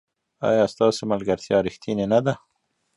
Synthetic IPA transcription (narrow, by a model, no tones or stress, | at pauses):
ɑ̰jɑst̪ɑsemalɡaɾt̪jɑɾixt̪ʰinenad̪a